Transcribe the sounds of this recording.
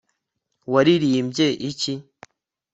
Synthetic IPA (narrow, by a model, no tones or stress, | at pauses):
waɾiɾiːmbjeʔici